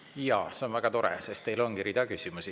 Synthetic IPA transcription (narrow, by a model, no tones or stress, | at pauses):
jɑːseo̞nvæɡ̥ɑt̪o̞ɾɛ̰sest̪t̪e̞jlo̞nkiɾiːd̪ɑkysʲimusi